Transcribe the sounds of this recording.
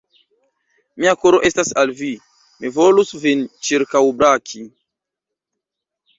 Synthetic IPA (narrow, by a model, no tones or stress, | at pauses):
miakoɾoʔestasalvi | mivolusvint͡ʃiɾkawbɾakʰi